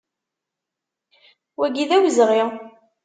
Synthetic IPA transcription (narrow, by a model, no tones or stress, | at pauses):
wæɡiðæwzʁiʁ